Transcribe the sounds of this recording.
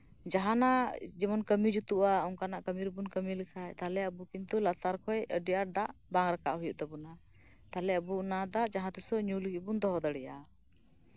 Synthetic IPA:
d͡ʒaɦanad͡ʒimɔnkəmid͡ʒut̪uʔaɔŋkanaʔkəmiɾbunkəmilikʰajt̪alɛəbukint̪ulat̪aɾkʰɔjəɖijaɾ̚d̪aʔbaŋɾaka̰ʔɦujuʔt̪ɛbuna | t̪alɛəbunad̪aʔd͡ʒaɦãt̪ɛsɔɲuliɡibund̪ɔɦɔd̪əɽɛja

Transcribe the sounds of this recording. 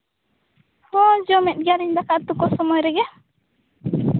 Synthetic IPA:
hɔd͡ʒɔmɛt̪̚ɡaɾiɲd̪akaʔt̪ukɔsɔmɔjɾɛɡɛ

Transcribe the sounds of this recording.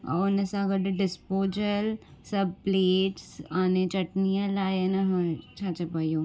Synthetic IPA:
a̰ːʊnəsãɡɐɖɖɪspoːd͡ʒəl | sɐbʱpleːʈsaːnet͡ɕɐʈnijalaːɪnəɦt͡ʃʰaːt͡ʃɐpɐijoː

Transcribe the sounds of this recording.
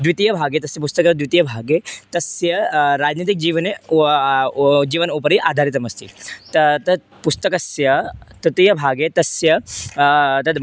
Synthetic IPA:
d̪ʋit̪ijɐbʱaːɡet̪ɐsjɐp̬ust̪ɐkɐt̪d̪ʋit̪ijɐbʱaːɡet̪ɐsjɐɾaːd͡ʒnit̪ik̚d͡ʒiːʋɐne | d͡ʒiːʋɐnuːpɐɾiʔaːd̪ʱaːɾit̪̬ɐmɐst̪ʰḭt̪ɐt̪ɐ | pust̪ɐkɐsjɐt̪ɐt̪ijɐbʱaːɡet̪ɐsjɐ | t̪ɐd̪

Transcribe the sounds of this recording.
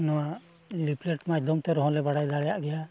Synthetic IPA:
nɔwa | lipleʈmajd̪ɔmt̪ɛɾɔɦɔ̃lɛbaɽajd̪aɽɛjaʔɡɛja

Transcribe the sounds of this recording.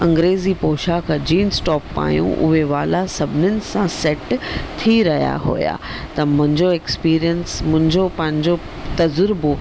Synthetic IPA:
ɐ̃ŋɡɾeːzipoːʃakʰãd͡ʑiːnsʈɔːpːa̰ːjṵ̃ʔʊ̰ɦeʋaːlasɐbʱɪnʊnɪ̆sãsɛʈt̪ʰiɾɐɦija̰ɦo̰ːja̰ːt̪ɐmʊ̃ɦɪ̃ɲd͡ʑoekspiːɾijənsmʊ̃ɦɪ̃ɲd͡ʑopɐ̃ɦɪ̃ɲd͡ʑo | t̪ɐzʊɾbo

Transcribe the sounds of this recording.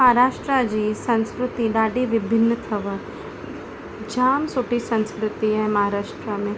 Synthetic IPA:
mɐɦaɾaːʃʈɾad͡ʑiːsɐ̃nskɾʊt̪iɖaːɖiʋɪbʱɪnːət̪ʰɐʋ | d͡ʒaːmsuʈisɐ̃nskɾʊt̪iaɦmɐɦaɾaːʃʈɾamẽː

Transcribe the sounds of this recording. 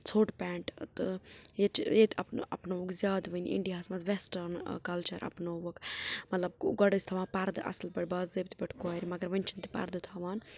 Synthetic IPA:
t͡sʰoːʈpɛːɳʈt̪ɨjet͡ʃjet̪iɐpn̰ɐ̰pnoːʋukzʲjaːd̪ʋəniḭɳɖijaːsmɐzʋesʈɐɾnkɐlt͡ʃɐɾʔɐ̰pnoːʋokmɐt̪lɐb̚ɡɐɽəsʲt̪ʰɐʋãːpɐɾd̪ɨʔɐ̰slbɐʈbaːzəbʲt̪ʰibɐʈʰkoːɾʲimɐɡɐɾʋɐnʲt͡ʃʰint̪i̥pɐ̰ɾd̪ɨt̪ʰaːʋaːn

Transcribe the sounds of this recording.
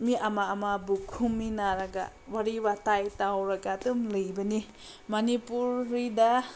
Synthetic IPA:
miʔamaːmabukʰumːinaɾaɡa̰ | waɾiwatajtawɾaɡatumlɯjbɐni | manipuɾːida

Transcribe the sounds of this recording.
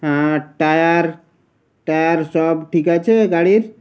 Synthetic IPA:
ɦãʈajaɾ | ʈajəɾsəbʈʰikat͡ʃʰɛɡaɽiɾ

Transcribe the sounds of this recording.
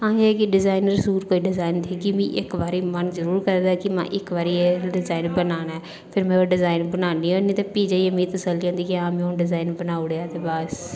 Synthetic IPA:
ãːekiɖɪzaːɪnəɾsuːɾkoːiɖɪzaːɪnt̪ʰiːkimĩːʔɪkʋaːɾiːmənzəɾuːɾkəɾɛ̃d̪akimã̰ːʔɪkʋaːɾieɖɪzaːɪnbənaːnɛ | pʰɪɾmẽoːɖɪzaːɪnbənaːniːonĩːt̪epiːd͡ʒaiəmĩt̪əsəld͡ʒãːnd̪iːkiãːmõːɖɪzaːɪnbənaːʊɽat̪ebaːs

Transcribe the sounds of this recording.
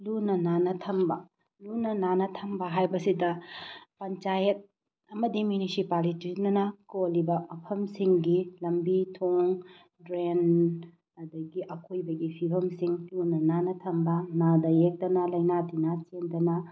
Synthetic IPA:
lunɐnanɐtʰɐmbɐ | lunɐnanɐtʰɐmbɐɦajbɐsidɐpɐnt͡ʃajɐt̚ | ɐmɐdimjunisipalitinɐnɐkolibɐmɐpʰɐmsiŋɡilɐmbitʰoŋ | dɾen | ɐdɐɡiʔɐkʰojbɐɡipʰibʱɐmsiŋlunɐnanɐtʰɐmbɐnadɐjek̚tɐnɐlɐjnadinat͡ʃendɐnɐ

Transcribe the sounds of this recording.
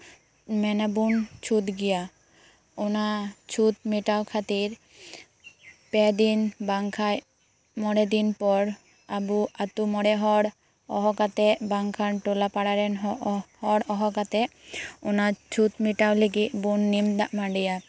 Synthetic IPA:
mɛnabunt͡ʃʰut̪ɡija | onat͡ʃʰut̪̚miʈawkʰat̪iɾ | pɛd̪inbaŋkʰaj | mɔɽed̪inpɔɾ | abuat̪umɔɽɛɦɔɽ | ɔɦɔkat̪ɛbaŋkʰanʈolapaɽaɾɛnɦɔhɔɽɔɦɔkat̪ɛonat͡ʃʰut̪miʈawleɡit̪bunːimd̪aʔmaɳɖija

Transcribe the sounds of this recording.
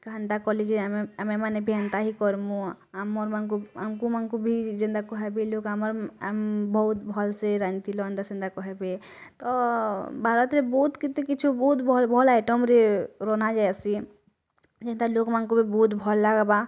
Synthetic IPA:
kənd̪akɔled͡ʒiəmẽmanebʱjant̪aɦikɔɾmũ | amɔɾmankoa̰mkumankubʱid͡ʒɪ̃nd̪akɔɦebiloːkaməɾmbɔut̪bʱɔlseɾad͡ʒnt̪ilɔə̃nd̪asɪ̃nd̪akɔɦebe | t̪ɔbʱaːɾət̪ɾebut̪kit̪ĩkɪt͡ʃʰubuːt̪bɔlbʱɔlaɪʈəmɾeɾɔnad͡ʒasi | d͡ʒɛ̃nd̪alokmankobʱibuːt̪bʱɔlːaɡba

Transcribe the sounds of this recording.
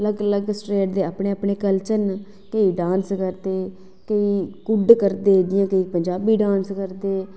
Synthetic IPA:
ləɡləɡsʈɾeːʈ̚d̪eːaːpɳeːəpɳeːkəlt͡ʃən | kəiːɖãːnskəɾd̪eː | kəiːkʊɖkəɾd̪eːd̪ɪjãːkəiːpəɲd͡ʒaːbiːɖãːnskəɾd̪eː

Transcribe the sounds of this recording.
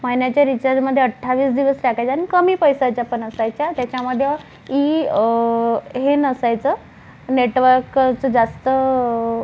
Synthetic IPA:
majnat͡ɕjaɾit͡ɕəɾməd̪ʱːjeəʈʰːaʋiːsd̪iʋəsɾakʰajt͡ɕanikəmiːpəjsajt͡ɕjapənəsajt͡ɕjat̪jat͡ɕjaməd̪ʱːjə | i | ɦenəsajt͡sə | neʈʋəɾkt͡səd͡zast̪ə

